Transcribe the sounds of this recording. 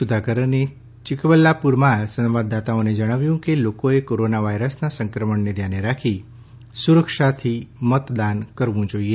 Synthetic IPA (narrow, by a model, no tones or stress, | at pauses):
sud̪ʱakəɾəne | t͡ʃɪkʋəlːapuɾmasə̃nʋad̪ːat̪aoned͡ʒəɽ̃aʋjũkelokoekoɾonaʋajɾəsnasə̃ŋkɾəməɳned̪ʱjaneɾakʰi | suɾəkʃat̪ʰimət̪d̪ankəɾʋũd͡ʒoie